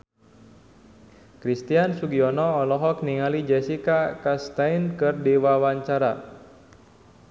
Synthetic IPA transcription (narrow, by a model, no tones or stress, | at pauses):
kɾist̪iansuɡiɔnɔːlɔɦɔk̚niŋalid͡ʒɛsikakast̪ajnkɨrdiwawaɲt͡ʃaɾa